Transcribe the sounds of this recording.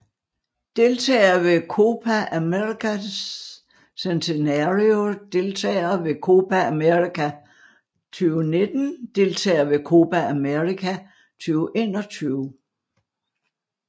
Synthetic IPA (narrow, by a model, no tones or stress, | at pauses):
d̥e̝lt͡sʰɛ̰ːɐʋe̝kʰo̝ːpʰæʔæmeʁikʰæs | sent͡sʰe̝næʁiod̥e̝lt͡sʰɛ̰ːɐʋe̝kʰo̝ːbʰææmeʁikʰæ | t͡sʰyːʊne̝d̥n̩d̥e̝lt͡sʰɛ̰ːɐʋe̝kʰo̝ːbʰææmeʁikʰæ | t͡sʰyːʊʔe̝ːnɒt͡sʰyːʊ